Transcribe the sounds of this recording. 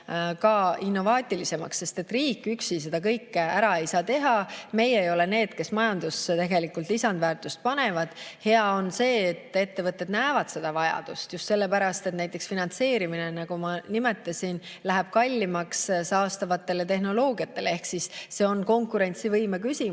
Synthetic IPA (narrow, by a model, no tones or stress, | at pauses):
kɑinːo̞vɑːt̪ʲˑilise̞mɑ̰ksːe̞st̪et̪ːriːkːˑyksise̞d̪̥ɑkɤjkːˑæɾɑe̞jsɑːt̪e̞ɦɑme̞je̞jo̞le̞ne̞ːd̪̥ke̞smɑjɑnd̪ust̪e̞ɡe̞likːˑult̪ˑisɑnd̪væːrt̪ˑust̪̚pɑne̞vɑd̪̥he̞ɑo̞nse̞ːt̪ːˑe̞t̪ːe̞vɤt̪ːˑed̪næevɑd̪̥se̞d̪̥ɑvɑjɑ̰d̪̥ust̪just̪se̞lːepæɾɑst̪e̞t̪næjt̪ːˑe̞ksfinɑnt̪se̞ːɾiminenɑɡ̥umɑnime̞t̪ːˑɑsʲin | læɦeb̥̚kɑlʲːimɑkssɑːst̪ɑvɑt̪ːˑe̞let̪e̞ɦno̞lo̞ːɡiɑt̪ːˑe̞leehksisse̞o̞nko̞ŋkuɾe̞nʲt̪sivɤjmekysʲi